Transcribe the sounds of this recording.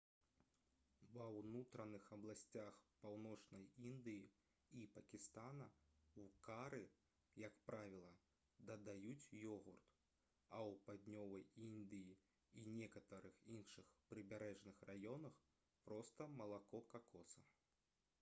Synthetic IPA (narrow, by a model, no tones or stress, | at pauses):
vɐwnut̪ɾɐnɨxɐblˠasʲt͡sʲaxpawnɔt͡ʂnɐjind̪ɨji | ipɐkʲist̪anɐwkaɾɨ | jɐkpɾavʲilˠɐ | d̪ɐd̪ajut͡sʲjɔɣurt̪ | ɐwpad̪ʲnʲɔvɐjind̪ɨji | inʲɛkɐt̪ɐɾɨxinʂɨxpɾɨbʲaɾɛʐnɨxrajɔnɐx | pɾɔst̪ɐmɐlˠakɔkakʰɔsɐ